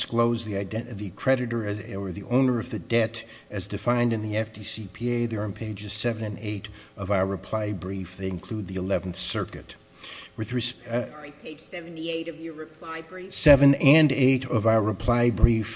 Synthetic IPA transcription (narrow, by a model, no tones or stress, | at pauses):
skloʊzðiaɪdðɨkʰɹ̥ɛɾɨɾə˞ə˞ðiʔõʊ̃nə˞ʌvðɨdɛɾ | ɨzdɨfãɪ̃ndɨ̃nðiɛfd̥isipʰieɪðə˞ɨ̃npʰeɪd͡ʒɨz̥sɛvɨ̃nɨ̃neɪɾʌvaʊə˞ɹɨpʰl̥aɪbɹifðeɪɨ̃nkʰl̥ʉd̪̚ðiɨlɛvn̩θsɜ˞kɨt̚ | wɨðɹɨspʰeɪ̥d͡ʒ̥ɛṽnieɪɾʌvjə˞ɹɨpʰl̥aɪbɹisɛvɨ̃nɨ̃neɪɾʌvaʊə˞ɹɨpʰl̥aɪbɹif